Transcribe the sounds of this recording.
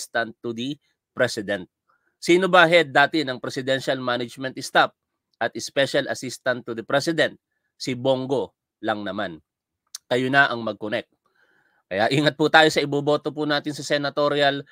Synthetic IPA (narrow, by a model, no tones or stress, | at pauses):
st̪ɐnt̪ːud̪i | pɾɛsɪd̪ɛnt̪̚ | siːnobaɦɛd̪aːt̪ɪnɐŋpɾɛsɪd̪ɛnʃɐlmanɐd͡ʒmɛ̃nt̪ɪst̪af̚ | ʔɐt̪ɛspɛʃɐlɐsist̪ɐnt̪ːuðɐpɾɛsɪd̪ɛnt̪̚ | sɪboŋɡo̞ | lɐŋnɐman | kɐjonɐʔɐŋmɐɡ̚konɛk̚t̪̚ | kɐjaʔiːŋɐt̪̚put̪aːjo̞sɐɪboːbo̞ːt̪op̬unaːt̪ɪnsɐsɛnɐt̪oɾjɐl